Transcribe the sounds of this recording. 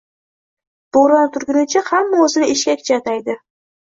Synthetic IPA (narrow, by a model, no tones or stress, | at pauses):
b̥oɾɑnt̪ʰʊɾɡʲɪnɪt͡ʃʰahamːaɵzɪnɪɪʃkʲakʰʲɪ̥t͡ʃʰat̪ajd̪ɪ